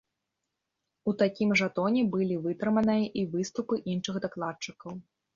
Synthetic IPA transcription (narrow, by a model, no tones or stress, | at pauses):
ut̪akʲimʐat̪ɔnʲɛbɨlʲivɨt̪ɾɨmɐnɨjɐʔivɨst̪upɨʔinʂɨɣd̪aklˠat̪̚t͡ʂɨkɐw